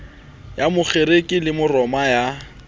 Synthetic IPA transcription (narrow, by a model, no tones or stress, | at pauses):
jamʊχeɾekʼɪlɪmʊrɔmaja